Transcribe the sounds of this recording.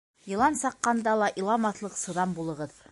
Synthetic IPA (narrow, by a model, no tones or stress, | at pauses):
jɤ̆lˠɑnsɑqːɑnd̪ɑlˠɑʔilˠɑmɑθlˠɤqsɤ̆ðɑmbulˠɤ̆ʁɤð